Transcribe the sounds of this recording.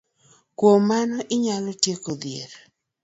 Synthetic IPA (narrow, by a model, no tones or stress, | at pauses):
kwomanɔʔɪɲalɔtjekod̪jeɾ